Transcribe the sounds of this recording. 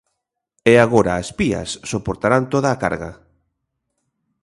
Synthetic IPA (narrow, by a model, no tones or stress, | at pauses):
ɛaɣ̞oɾaːspiɐ̰sːopoɾt̪aɾant̪oðaːka̰ɾɣa̰